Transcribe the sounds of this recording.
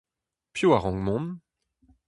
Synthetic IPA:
pjoaʁɔ̃ŋmɔ̃n

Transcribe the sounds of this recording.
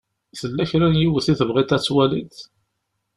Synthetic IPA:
θəlːæçɾænjiwəθiθəvʁɪt̪æt͡sːwælit̪

